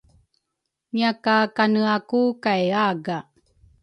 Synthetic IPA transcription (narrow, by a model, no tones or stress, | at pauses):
miakakanəakukajaɡa